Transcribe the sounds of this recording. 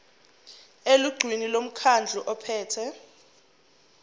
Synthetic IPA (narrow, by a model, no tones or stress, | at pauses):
eluɡ͡ǀʱwinilom̩kʰand͡ɮʱuʔɔpʰɛːtʰɛ